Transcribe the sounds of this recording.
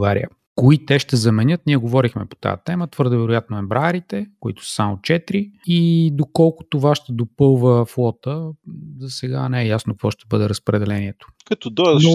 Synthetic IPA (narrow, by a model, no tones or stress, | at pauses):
ɡaɾḭə | koit̪ɛʃt̪ɛzɐmɛnʲɤt̪niɛɡovɔɾixmɛpo̥t̪a̰jə̰t̪ɛmət̪v̥ɤɾd̪ovɛɾʊjat̪noɛmbɾaɛɾit̪ɛkʊḭt̪ʊ̥ssamot͡ʃɛt̪ɾiid̪okɔlˠkʊ̥t̪ovaʃt̪ɛd̪opɤlˠvəflˠɔt̪əzɐsɛɡanɛɛjasnokvɔʃt̪ɛbɤd̪ɛɾəspɾɛd̪ɛlɛniɛt̪o̥kɐt̪ɔd̪ɔd̪